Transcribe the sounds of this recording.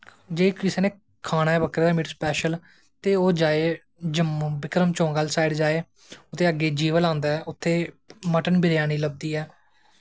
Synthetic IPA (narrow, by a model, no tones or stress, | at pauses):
d͡ʒeːkɪseːnẽː | kʰaːnaːɛːbəkɾeːd̪aːmɪʈspɛːʃəl | t̪eːoːd͡ʒaːeː | d͡ʒəmbɪkɾəmt͡ʃõːɡəlsaːiɖd͡ʒaːeː | ʊt̪ʰːeːəɡːeːd͡ʒiːʋəlãːnd̪aːɛːʔʊt̪ʰːeː | məʈənbʱɪɾjaːniːləb̚d̪iːɛː